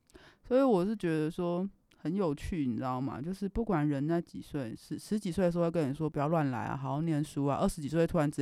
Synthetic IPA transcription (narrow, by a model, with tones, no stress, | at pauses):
swɔ˧˥i˧˦wɔ˨˩ʂɻ̩˥˩t͡ɕɥɛ˧˥d̪ə˧ʂwɔ˥ | xə˧˥njo˨˩ʊt͡ɕʰy˥˩˧n˧˥˧o˥˩ŋma̰˨t͡ɕjo˥˧ʊʂɻ̩˥˧pu˥˩kwa˨˩nɻə˧˥nna˥˩ɪt͡ɕi˨˩swe˥˩ɪʂɻ̩˧˥ʂɻ̩˧˥t͡ɕi˨˩swe˥˩d̪ə˩˧˥ə˥ni˨˩ʂ̬wɔ˥pu˨˩t͡ɕjɑ˥˧lwa˥˧˩nla̰˧˥ɪa̰˨˩xɑ˨˥˦ɑ˥˩ʊnjɛ˧˥nʂu˥a̰˨˦ʔə˥˩ʂɻ̩˧˥t͡ɕi˨˩swe˥˩ɪt̪ʰu˥a˧˥nt͡s̩˧